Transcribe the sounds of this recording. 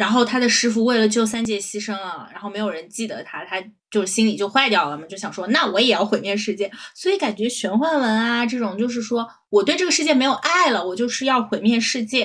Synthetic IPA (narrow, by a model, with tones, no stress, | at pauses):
ɻa˧˥nxo˥˩ʊt̪ʰa˥d̪ə˨ʂɻ̩˥f̬u˧we˥˩ɪlə˩t͡ɕjo˥˧ʊsa˥nt͡ɕjɛ˧˥ɕi˥ʂɤ˥ŋə˨ɻa̰˧˥nxo˥˩ʊme˧˥ɪjo˨˩ɻə˧˥nt͡ɕi˥˩d̪ə̰˩t̪ʰa˥t̪ʰa˥ | t͡ɕjo˥˧ʊʂɻ̩˥˩ɕi˥nli˨˩t͡ɕjo˥˧ʊxwa˥˧ɪt̪jɑ˥˩ʊlə˨˩mə˨˩t͡ɕjo˥˩ʊɕjɑ˨˩ŋʂwɔ˥na˥˩wɔ˧˥jɛ˨˩jɑ˥˩ʊxe˧˥ɪmjɛ˥˧nʂɻ̩˥˧t͡ɕjɛ˥˩swɔ˧˥i˧˥ka˨˩nt͡ɕɥɛ˧˥ɕɥɛ˧˥nxwa˥˩nwə˧˥na˧ʈ͡ʂɤ˥˩ʈ͡ʂʊ˨˩ŋt͡ɕjo˥˧ʊʂ̬ɻ̩˥˩ʂwɔ˥ | wɔ˨˩t̪we˥˧ɪʈ͡ʂɤ˥˩ɡə˩ʂɻ̩˥˧t͡ɕjɛ˥˩me˧˥ɪjo˨˩ʊʔa˥˩ɪlə˩wɔ˨˩t͡ɕjo˥˧ʊʂɻ̩˥˧jɑ˥˩ʊxwe˧˥ɪmjɛ˥˧nʂɻ̩˥˧t͡ɕjɛ˥˩